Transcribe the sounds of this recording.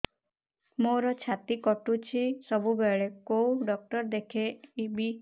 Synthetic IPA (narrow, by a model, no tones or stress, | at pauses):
moɾɔt͡ʃʰat̪ikɔʈut͡ʃʰisɔbubeɭekouɖɔk̚ʈɔɾd̪ekʰeibi